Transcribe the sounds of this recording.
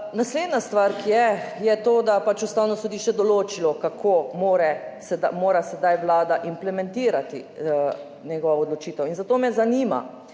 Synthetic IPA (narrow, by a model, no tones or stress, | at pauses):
nasleːd̪nast̪ʋaɾkijɛjɛt̪oːd̪apat͡ʃust̪aːwnɔsɔd̪iʃt͡ʃɛd̪ɔloːt͡ʃilɔkakʰomoːɾɛsɛd̪amoːɾasɛd̪ajʋlaːd̪aʔimplɛmɛ̃nt̪iːɾat̪ḭ | nɛɡɔʋaod̪lɔt͡ʃiːt̪ɛwinzat̪oːmɛzaniːma̰